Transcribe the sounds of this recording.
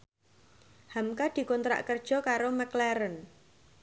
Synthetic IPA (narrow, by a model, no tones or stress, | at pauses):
hamkad̪̥i̤kɔnt̪ɾa̰ʔkərd̥ʒ̥ɔ̤kaɾoməklɛɾən